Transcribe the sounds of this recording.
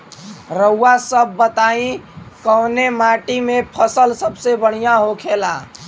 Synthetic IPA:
ɾəwːasəbːət̪aĩkəwnemaʈimepʰəsəlsəbsebəɽ̤ijãɦokʰela̰

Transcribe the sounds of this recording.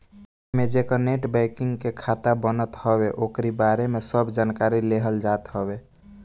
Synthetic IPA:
med͡ʒekəneʈbɛkiŋɡkekʰat̪abənət̪hɔbeʔokɾibaɾemesəbd͡ʒankaɾileɦəld͡ʒat̪ɦɔbe

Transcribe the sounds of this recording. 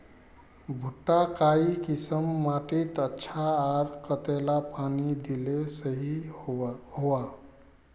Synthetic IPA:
bʱuʈːakaikisəmːaʈit̪ətːʃʰaːɾkət̪elapanid̪ilesəɦi | hoa

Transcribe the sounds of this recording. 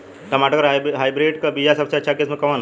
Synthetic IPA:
t̪ɐmaːʈəkɐɾɦɦaːjbɾeːɖkɐbijasɐbseɐtːʃʰakeːsmẽkɐʋaːn

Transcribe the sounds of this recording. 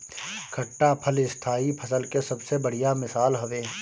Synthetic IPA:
kʰɐʈːapʰəlɪst̪ʰaːipʰɐsəlkesɐbsebɐɽ̤ijamɪsaːlɦɐʋeː

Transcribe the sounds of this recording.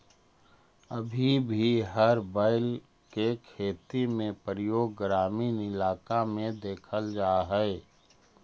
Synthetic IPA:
əbʱibʱiɦəɾbaɪl | kekʰeːt̪imẽpɾəjoːɡːɾaːminɪlaːkamẽd̪eːkʰəld͡ʒaːɦɛɛ

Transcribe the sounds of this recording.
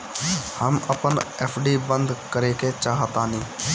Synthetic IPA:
həməpənɛːpʰɖiːbənd̪kəɾeːket͡ʃaːɦt̪ãːnĩː

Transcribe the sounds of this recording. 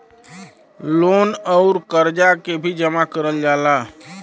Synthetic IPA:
loːnɔʊɾkəɾd͡ʒakebʱid͡ʒəmakəɾəld͡ʒaːla

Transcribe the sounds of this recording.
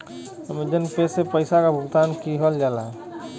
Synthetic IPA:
əmed͡ʒənpesepəɪsakabʱʊɡt̪aːnkiɦəld͡ʒalaɦ

